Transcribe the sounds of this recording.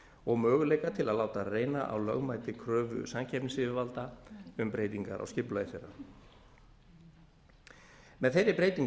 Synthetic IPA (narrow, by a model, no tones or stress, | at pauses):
ɔɣmœːɣʏlejkat̪ʰɪlaðlaːwt̪areːjnaʔa̰wlœɣmajt̪ɪkʰɾœːvʏ̰samcʰɛpnɪsɪvɪvalt̪aʏmpɾejt̪iŋka̰ɾʔa̰wscɪplajɪθeɾa̰ | mɛðθejɾɪpɾeːjt̪iŋ